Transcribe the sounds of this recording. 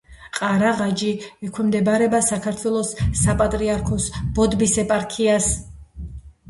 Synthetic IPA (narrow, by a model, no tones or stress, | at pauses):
qʼaɾaʁad͡ʒiɛkʰwɛmd̪ɛbaɾɛbasakʰaɾt̪ʰwɛlˠɔsːapʼat̪ʼɾiaɾkʰɔsb̥ɔd̪bisɛpʼaɾkʰias